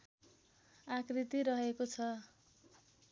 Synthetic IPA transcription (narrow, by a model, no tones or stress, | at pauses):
akrit̪iɾʌɦekot͡sʰʌ